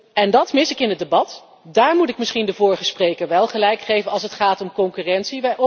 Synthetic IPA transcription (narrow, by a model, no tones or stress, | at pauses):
ɛndɑtmɪsɪkɪnɦət̚debɑt | daːɹmutɪk̚mɪsχindəvʊːɹəχəsprejkəɹʋɛlˠχəlɛjkχejvənɑlˠsətχaːtɔmkɔŋkyrɛntsiʋɛjʔɔ